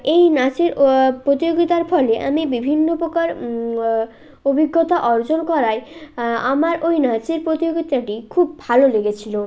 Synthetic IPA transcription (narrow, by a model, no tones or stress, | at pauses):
ejnat͡ɕiɾpɾot̪ijoɡit̪aɾpʰɔleʔa̰mibibʱinːopɾokaɾ | obʱiɡːɔt̪aʔɔɾd͡ʑonkɔɾaeamaɾojnat͡ɕiɾpɾot̪ijoɡit̪aʈikʰubːʱaloleɡet͡ɕʰilo